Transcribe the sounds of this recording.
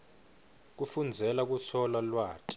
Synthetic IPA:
k̬ufund͡zʱɛlak̬usʰɔlalwaːkʼi̥

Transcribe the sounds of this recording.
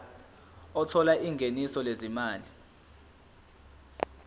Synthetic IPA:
ɔtʰɔlaʔiŋɡʱenisɔlezimaːli

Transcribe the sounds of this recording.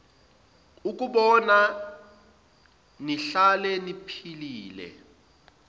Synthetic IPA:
uk̬ʼuɓɔna | niɬalɛnipʰiliːlɛ̰

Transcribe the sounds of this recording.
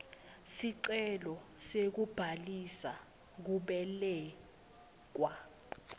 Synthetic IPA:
siǀɛlɔsek̬ub̥ʱalisa | k̬uɓɛlɛː | k̬wa

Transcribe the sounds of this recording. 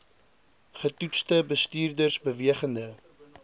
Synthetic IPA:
χətutstəbəstyːrdərsbəviəχəndə

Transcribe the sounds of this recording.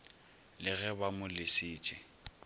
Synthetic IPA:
lɪɣɛbamʊlɪsɪːt͡ʃʼɪ

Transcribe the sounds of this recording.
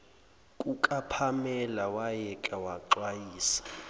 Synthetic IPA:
kʼukʼapʰamɛlawajɛkʼawaǃwajiːsḁ

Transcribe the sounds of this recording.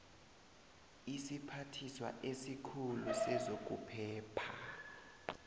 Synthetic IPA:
isipʰatʰiswa̰ʔesikʰulusɛzok̬ʼupʰɛːpʰa

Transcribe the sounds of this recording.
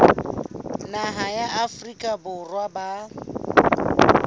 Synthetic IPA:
naɦajaʔafrikʼabʊrwaba

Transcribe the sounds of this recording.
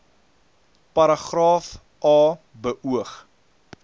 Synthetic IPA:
pɐɾɐχrɑːf | ʔɑː | bəʔuəχ

